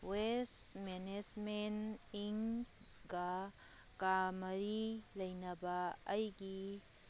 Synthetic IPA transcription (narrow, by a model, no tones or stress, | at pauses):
wesmened͡ʒmeniŋ | ɡɐ | kamɐɾilɐjnɐbɐɐjɡi